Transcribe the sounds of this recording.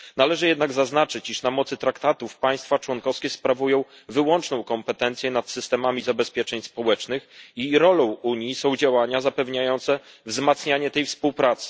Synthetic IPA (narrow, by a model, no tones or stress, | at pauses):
nalɛʐɘjɛd̪naɡzaznat͡ʂɘt͡ɕiʂnamɔt̪sɘt̪ɾakt̪at̪ufpaj̃st̪fat͡ʂwɔnkɔfskʲɛspɾavujɔ̃w̃ | vɘwɔnt͡ʂnɔ̃w̃kɔmpɛt̪ɛnt̪sjɛnat̪sɘst̪ɛmamʲizabɛspʲjɛt͡ʂɛɲspɔwɛt͡ʂnɘxiɾɔlɔ̃w̃uɲjisɔ̃w̃d͡ʑawaɲazapɛvɲajɔnt̪sɛ | vzmat̪sɲaɲɛt̪ɛjfspuwpɾat̪sɘ̥